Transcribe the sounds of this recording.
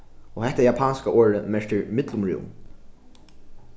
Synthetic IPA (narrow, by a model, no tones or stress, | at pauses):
ɔhɛht̪aɛjapʰaːnskaʔoːɹəmɛʂt̪ɪɹmɪt̪lʊmɹṵːwm